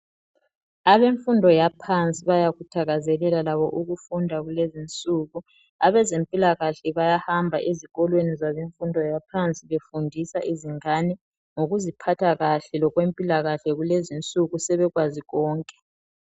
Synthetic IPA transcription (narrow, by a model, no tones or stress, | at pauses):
aβeɱfundʱɔjapʰant͡sʼiβajaɣutʰaɣazɛlɛlalaβɔʔuɣufundʱaɣulezint͡sʼuɣu | aβɛzempʼilaɣaɬɛβajahambʱa̰ʔeziɣɔlwenizaβeɱfundʱɔjapʰant͡sʼiβefundʱisaʔiziŋanɛ | ŋoɣuzipʰatʰaɣaɬɛlɔɣwempʼilaɣaɬɛɣulezint͡sʼuɣusɛβɛɣwaziɣɔːŋkʼɛ̥